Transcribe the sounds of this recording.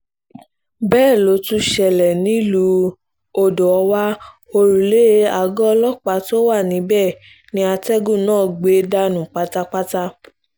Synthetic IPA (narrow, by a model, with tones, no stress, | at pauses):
bɛː˦˨lo˨˦tũ˦ʃɛ˨lɛ˨nĩ˨˦lu˨˧˦ | o˧do˨ɔ˧wa˦ | o˧ɾu˨le˦a˨ɡɔ˦ɔ˧lɔ˦k͡pa˨˦to˦wa˦˨nĩ˨˦bɛ˦˨ | nĩ˧˦a˧tɛ˦ɡũ˦˨nãː˦˨ɡ͡be˨˦da˧nũ˨k͡pa˦ta˦k͡pa˦ta˦